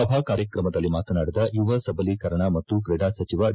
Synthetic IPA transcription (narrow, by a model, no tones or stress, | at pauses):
ɐbʱaːkaːɾjɐkɾɐmɐd̪ɐlːimaːt̪ɐnaːɽid̪ɐjuʋɐsɐbɐlikɐɾɐɳamɐt̪ːukɾeɖaːsɐt͡ʃiʋa